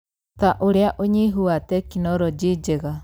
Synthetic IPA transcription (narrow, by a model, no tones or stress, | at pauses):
taʔoɾeaʔoɲiɦuatɛkinɔɾɔd͡ʒiːd͡ʒeɣa